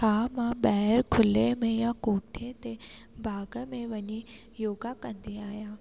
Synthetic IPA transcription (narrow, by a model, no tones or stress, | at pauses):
kʰaːmãɓɛɦɛɾkʰʊlemẽjakoːʈʰet̪e | bʱaːɡəmẽʋɐɲi | joːɡakɐ̃nd̪iaːɦijã